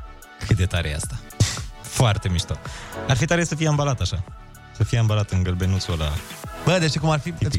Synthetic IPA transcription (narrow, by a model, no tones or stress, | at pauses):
kʰɨt̪̚d̪e̞t̪aɾejea̰st̪ḁ | foart̪e̞miʃt̪oarfit̪aɾesəfijeambalat̪aʃa | səfijeambalat̪ɨŋɡəlbe̞nut̪suola̰bəd̪eʃikumarfip̪